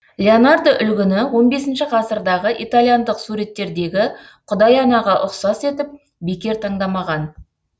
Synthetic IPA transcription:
lʲeonard̪oʔʏlɡʲɪnɪwo̞nbe̞sɪnʃɪqʰɑsəɾd̪ɑʁəʔḭt̪alˠijand̪əqsuɾe̞t̪ːe̞ɾd̪e̞ɡʲɪ | qʰʊd̪ɑjɑnɑʁɑʔʊqsɑse̞t̪ɪp̚ | be̞kʲe̞ɾt̪ʰɑɴd̪ɑmɑʁɑn

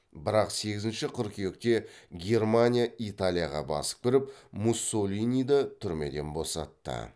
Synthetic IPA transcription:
bɪɾɑqse̞ɡʲɪzɪnʃɪqʰʏɾkʲʰejek̚t̪e̞ɡʲe̞rmanʲijait̪alʲijaʁɑ̰bɑ̰sə̥p̚bɪɾɪpmusːo̞lʲinijd̪ɑt̪ʰʏɾme̞̰d̪e̞nbo̞sɑ̰t̪ːə̰

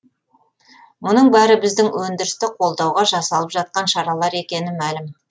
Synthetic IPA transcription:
mʊnəɴbæɾɪbɪzd̪ɪŋwʔɵnd̪ɪɾɪst̪ɪqʰo̞lˠd̪ɑwʁɑʒɑsɑlˠəpʒɑt̪̚qɑnʃɑɾɑlˠɑɾe̞kʲe̞nɪmælɪm

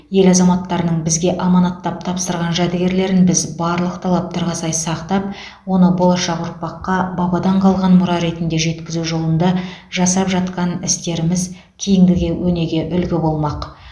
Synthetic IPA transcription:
je̞lɑzɑmɑt̪ːɑɾənəɴbɪzɡʲe̞ʔɑmɑnɑt̪ːɑp̚t̪ʰɑpsəɾʁɑnʒæd̪ɪɡʲe̞ɾle̞ɾɪnbɪzbɑɾlˠəqt̪ʰɑlˠɑp̚t̪ɑɾʁɑsɑjsɑqt̪ɑp̚ | wo̞nəbo̞lˠɑʃɑqʊɾpɑqːɑbɑbɑd̪ɑɴqʰɑlˠʁɑnmʊɾɑɾe̞t̪ɪnd̪e̞ʒe̞t̪kʲɪzuʒo̞lˠənd̪ɑʒɑsɑpʒɑt̪qɑnɪst̪e̞ɾɪmɪz | kʲʰijɪŋd̪ɪɡʲe̞wɵne̞ɡʲe̞ʔʏlɡʲɪbo̞lˠmɑq

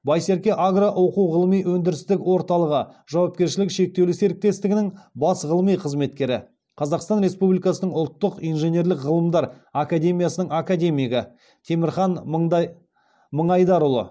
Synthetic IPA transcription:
bɑjse̞ɾkʲe̞ʔaɡraʔo̞quwʁəlˠəmijwɵnd̪ɪɾɪst̪ɪkwo̞ɾt̪ɑlˠəʁəʒɑwɑp̚kʲe̞ɾʃɪlɪkʃe̞k̚t̪e̞wlɪse̞ɾɪk̚t̪e̞st̪ɪɡʲɪnɪŋbɑsʁəlˠəmijqʰəzme̞t̪kʲe̞ɾɪ̰ | qʰɑzɑqst̪ɑnɾe̞spublijkɑsənəɴʊlˠt̪ːəqijnʒenʲe̞ɾlɪkʁəlˠəmd̪ɑɾ | akad̪ʲe̞mʲijasənəɴakad̪ʲe̞mʲijɡʲɪ | t̪ʰe̞mɪɾχɑn | məɴɑjd̪ɑɾʊlˠə̰

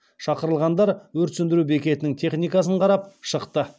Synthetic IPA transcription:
ʃɑqəɾəlˠʁɑnd̪ɑɾwɵɾt̪sʏnd̪ɪɾubekʲe̞t̪ɪnɪŋt̪ʰe̞χnijkɑsəɴqʰɑɾɑp̚ʃəqt̪ə

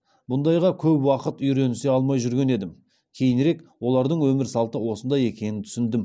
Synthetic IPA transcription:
bʊnd̪ɑjʁɑkʲʰɵpwɑqət̪ʏjɾe̞nɪseɑlˠmɑjʒʏɾɡʲe̞ne̞d̪ɪm | kʲʰe̞jɪnɾe̞kwo̞lˠɑɾd̪əɴwɵmɪɾsɑlˠt̪əwo̞sənd̪ɑje̞kʲe̞nɪnt̪ʰʏ̥sɪnd̪ɪm

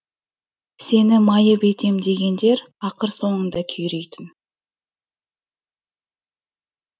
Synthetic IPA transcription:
se̞nɪmɑjəpe̞t̪e̞md̪e̞ɡʲe̞nd̪e̞ɾɑqəɾso̞ɴəɴd̪ɑkʲʰʏjɾejt̪ɪn

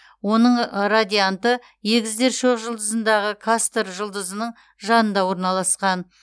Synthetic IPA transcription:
wo̞nəɴɾad̪ʲijant̪ə | jeɡʲɪzd̪e̞ɾʃoqʒəlˠd̪əzənd̪ɑʁəkʰast̪əɾʒəlˠd̪əzənəɴ | ʒɑnənd̪ɑwo̞ɾnɑlˠɑsqɑn

